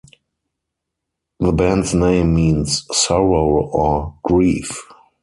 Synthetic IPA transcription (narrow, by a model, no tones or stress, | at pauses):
ðəbæ̃ndsnẽɪ̃mːĩːnssɔɹoʊɔɡ̥ɹiːf